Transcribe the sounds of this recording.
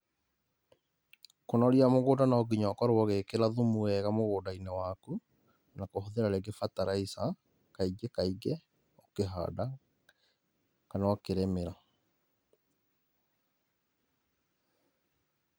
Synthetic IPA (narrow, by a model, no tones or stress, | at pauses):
konaɾiamoɣoːdanaɔɡiɲakɔɾwɔɣekeɾaðumuɛɣamoɣoːdainewaku | nakohoðeɾaɾeɡefataɾaisa | kaiɡekaiɡɛ | okeɦa̰da | kanawakeɾɛmeɾa